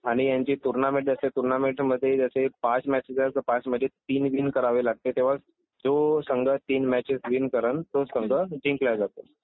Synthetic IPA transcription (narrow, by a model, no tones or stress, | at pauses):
aɽ̃ijaɲt͡ɕiːt̪uɾnamẽʈ̚d͡zaset̪uɾnameʈməd̪ʱːjed͡ʑasepãt͡smæt͡ɕed͡ʑat͡səpãt͡sməd̪ʱːjet̪iːnʋinkəɾaʋilaɡ̚t̪et̪eʋ̤a | d͡zosəŋɡʱət̪iːnmæt͡ɕisʋinkəɾənt̪osəŋɡʱəd͡ʑʱĩŋklad͡zat̪o